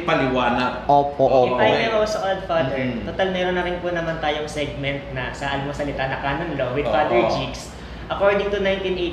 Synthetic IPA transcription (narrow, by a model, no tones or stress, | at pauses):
pɐlɪwaːnɐɡ̚ʔoːpoʔoɪajnɛmɐwɐsɐʔold̪̚fad̪ɛɹt̪ot̪almɛːɾonːɐɾɪnpʊnɐmant̪aːjoŋsɛɡ̚mɛnt̪̚nɐsɐʔɐlmɐsɐlɪt̪anɐkaːnonlowɪd̪fad̪ɛɹt͡ʃiks | ʔɐkoɹd̪ɪŋt̪ʊnajnt̪inʔej̪